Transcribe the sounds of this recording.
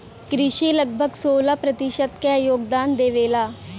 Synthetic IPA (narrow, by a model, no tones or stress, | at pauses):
kɾɪʃiːləɡ̚bʱəɡsoːlaːpɾət̪ɪʃət̪keːjoːɡd̪aːnd̪eːʋeːlaː